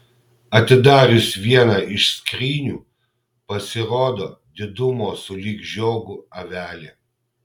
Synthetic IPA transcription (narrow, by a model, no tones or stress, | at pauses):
ɐt̪ʲɪd̪ɑːɾʲʊsʋʲiɛnɑʔɪʃsʲkɾʲiːnʲuː | pɐsʲɪɾoːd̪oːd̪ʲɪd̪ʊmoːsʊlʲiːɡʒʲoːɡʊɐʋʲæːlʲeː